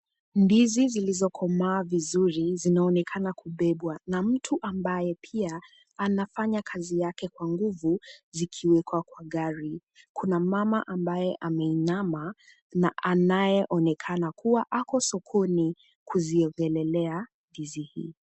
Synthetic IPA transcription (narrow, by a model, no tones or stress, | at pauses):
nbizizilizɔkʰɔmaːvizuɾizinaɔnɛkʰanakʰuɓɛɓwanam̩tʰuʔambajɛpʰia | anafaɲakʰazijakɛkwaŋɡuvuzikʰiwɛkwakwaɠaɾi | kʰunamamaʔambajɛʔamɛinama | naʔanajɛʔɔnɛkʰanakuwaʔakɔsɔkʰɔni | kuziɔŋɡɛlɛlɛa | ðizihḭ